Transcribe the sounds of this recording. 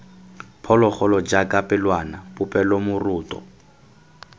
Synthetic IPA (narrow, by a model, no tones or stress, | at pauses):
pʰɔlɔχɔlɔd͡ʒakʼapʼɪlwanapʼʊpʼɛlomʊrʊːtʼɔ̰